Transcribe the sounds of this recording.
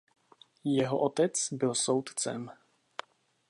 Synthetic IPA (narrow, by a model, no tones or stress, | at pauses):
jɛɦo̰ʔot̪ɛt͡sbɪlso̞wt̪t͡sɛ̰m